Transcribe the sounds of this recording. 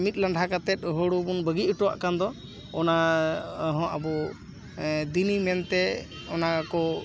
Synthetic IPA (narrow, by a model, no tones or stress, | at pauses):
mit̪̚ləɳɖʱakat̪ɛt̪̚ˀɦəɽubunbəɡiəʈɔwa̰ʔkand̪ɔ | ɔna | ɦɔ̃ʔabɔ | d̪inimɛnt̪ɛ | ɔnakɔ